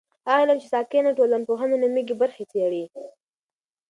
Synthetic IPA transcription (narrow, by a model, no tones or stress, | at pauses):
alamt͡ʃesɑkenaʈolanpoɦananamiɡibaɾxet͡seɽi